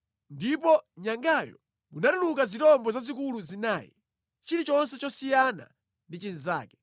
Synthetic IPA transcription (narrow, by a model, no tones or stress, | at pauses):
ndipɔɲaŋɡajɔ̰ | munatulukazitɔmbɔzazikuluzinaːjḭ | t͡ʃiɾit͡ʃɔnsɛt͡ʃɔsijana̰ | ndit͡ʃiniza̰ːkɛ̥